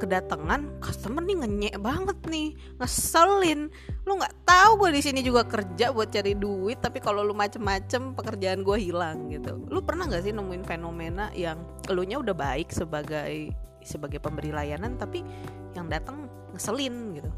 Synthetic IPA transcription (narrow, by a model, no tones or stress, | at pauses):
kədat̪aŋankət̪əmərniŋəɲɛʔbaŋət̪̚nɪh | ŋəsəlɪn | luŋɡaʔt̪auɡuadisinid͡ʒuɡakərd͡ʒabuat̪̚t͡ʃaɾiduɪt̪ːapikalolumat͡ʃəmːat͡ʃəmpəkərd͡ʒaːnɡuaɦilaŋɡit̪ṵlupərnahŋɡaʔsɪhnəmuɪnfenomena̰jaŋ | luɲaudahbaɪksəbaɡaj | səbaɡajpəmbəɾilajanant̪api | jaŋdat̪aŋː | əsəlɪnɡit̪u